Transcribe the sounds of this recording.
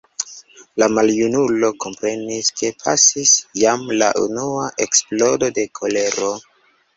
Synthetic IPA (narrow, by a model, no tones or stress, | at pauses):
lamaljunulo̞ko̞mpɾe̞niskʰe̞pʰa̰sisjamlaʔṵnuaʔe̞ksplo̞do̞de̞kʰo̞le̞ɾo̞